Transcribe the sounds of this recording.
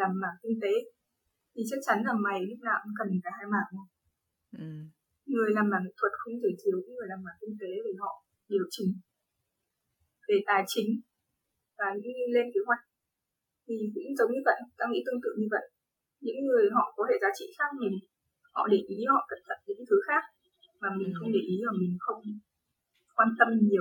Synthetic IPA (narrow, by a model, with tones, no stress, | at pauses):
laː˨˩mːaː˨˩ŋkï˧ŋ̟t̪e˨˦ | t̪ʰi˨˩t͡ɕa˦˥k̚t͡ɕa˨˦nzaː˨˩ŋma˨˩jli˦˥p̚na̰ː˧˩m˨˩kə˨˩nfaː˨˩jhaː˧jmaː˨˩ŋo˨˧˩ | ŋɨ˨˩əjlaː˨˩mlaː˨˩ŋḭ˧˥t̪ʰwə˨˩t̚xə˧wŋ͡mzəː˨˩jt̪ʰɨ˨˦əwɲɨ̰˧˥ŋɨ˨˩əjlaː˨˩mːaː˨˩ki˧ŋt̪e˨˦ve˨˩hɔ̰˧˨ | ɗi˨˩ə˩w̚t͡ɕï˨˦ŋ̟ | ve˨˩t̪aː˨˩jt͡ɕï˨˦ŋ̟ | vaː˨˩ɲɨ̰˧˥ŋ˧jle˧nke˨˦ɦwa˨˩jk̟̚ | t̪ʰi˨˩zɨ̰˧˥zə˨˦wŋ͡mɲɨ˧və̰˧˨jt̪a̰ː˧˥ŋḭ˧˥t̪ɨ˧ŋt̪ɨ̰˧˨ŋɲɨ˧və̰˧˨jŋ | ɲɨ̰˧˥ŋːɨ˨˩əjɦɔ̰˧˨kɔ˨˦t̪ʰe˧˩zaː˨˦t͡ɕḭ˧˨xaː˦˥k̚mi˨˩ | hɔ̰˧˨ɗe˧˨˩ʔi˨˦hɔ̰˧˨k̪ə˨˩p̚t̪ʰə̰˧˨nɲɨ̰˧˥ŋt̪ʰɨ˨˦xaː˦˥k̚ | maː˨˩mï˨˩ŋ̟xə˧wŋ͡mɗe˨˩ʔi˨˦vaː˨˩mï˨˩ŋ̟xə˧wŋ͡m | kwaː˧nt̪ə˧mɲi˨˩əw